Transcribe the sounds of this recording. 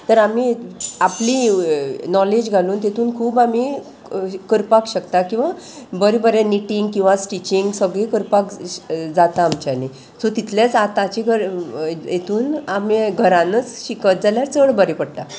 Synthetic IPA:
t̪əɾamiapli | nɔled͡ʑɡʱaluːnt̪et̪ʰuːnkʰuːbami | kəɾpakɕəkt̪akĩw̃ʋa | bəɾebəɾẽniʈiŋɡkĩw̃ʋasʈit͡ɕiŋɡsəɡɭekəɾpakd͡zat̪aːmt͡ɕane | sot̪it̪ʰljat͡sat̪at͡ɕiɡʱəɾjet̪ʰuːnameɡʱəɾãnət͡sɕikət̪̚d͡zaljaɾt͡səɭbəɾepəɽt̪a

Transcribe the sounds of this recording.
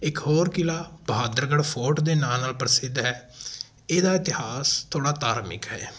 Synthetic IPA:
ɪkɦoːɾkɪlaːbəɦaːd̪əɾɡəɽpʰoːʈd̪eːnãːnaːlpəɾsɪd̪ɦɛː | eːd̪aːɪt̪ɪhaːst̪ʰoːɽaːt̪aːɾmɪ̰kɦɛ̰ː

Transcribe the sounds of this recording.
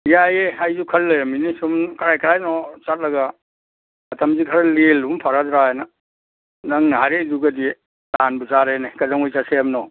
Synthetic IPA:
jajeajzukʰɐlːɐjaminisumkɐɾajkɾajnɔt͡ʃat̚lɐɡa | ɐtʰɐmzikʰaɾalelumpʰaɾadɾajna | naŋnaɦaɾeduɡɐdi | lanbuzaɾenekɐzaŋujsaseamnɔ

